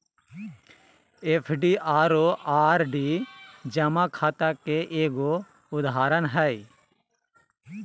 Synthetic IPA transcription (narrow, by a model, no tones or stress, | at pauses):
eːpʰɖiːʔaːɾoːaːɾɖiːd͡ʒəmãkʰaːt̪akeʔeːɡo | ʊd̪ɦaːɾənɦəi